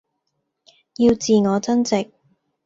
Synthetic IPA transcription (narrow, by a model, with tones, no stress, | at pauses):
ji˧wt͡siː˨ŋɔː˨˧t͡sɐ˥nt͡sɪ˨k̚